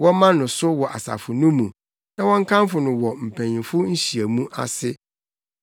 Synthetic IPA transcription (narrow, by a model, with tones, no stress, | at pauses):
wɔ̃˦mã˦nʊ̃˨sʊ˦wɔ˨ʔa˨sa̰˨fʊ˨nʊ̃˦mũ˨ | nã˦wɔ̃˦ŋ̩˦kʰã˦m˦fʊ˨nʊ̃˨wɔ˨m̩˨pʰæ̃˨ɲĩ˨fʊ˦ɲ̩˦ɕi˨æ˨mũ˦ʔa̰˦sɪ˦